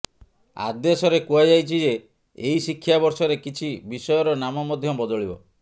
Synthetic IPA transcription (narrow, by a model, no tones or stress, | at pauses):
a̰d̪esɔɾekuad͡ʒajt͡ʃʰid͡ʒe | eisikʰːjabɔɾsɔɾekit͡ʃʰibisɔjɔɾɔnamɔmɔd̪ʱjɔbɔd̪ɔɭibɔ